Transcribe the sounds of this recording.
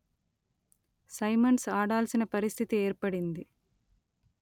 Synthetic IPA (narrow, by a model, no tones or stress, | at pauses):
sɐjmɐnsaːɽaːlsinɐpɐɾist̪ʰit̪ieːɾpɐɽind̪i